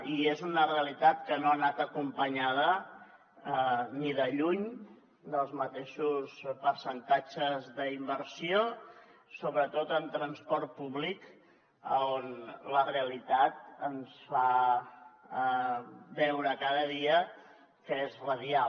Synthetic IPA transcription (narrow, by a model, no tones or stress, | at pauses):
iezunəreəlit̪at̪kənoənat̪əkumpəɲað̞ə | əniðəʎuɲ | d̪əlˠzmət̪eʃuspəɾsənt̪ad͡ʒəzðəimbəɾsiosoβɾət̪ot̪əmt̪ɾənspɔɾt̪̚puβlik | ə̰onləreəlit̪at̪̚ənsfa | βɛwɾəkaðəðiə | kəezrəðia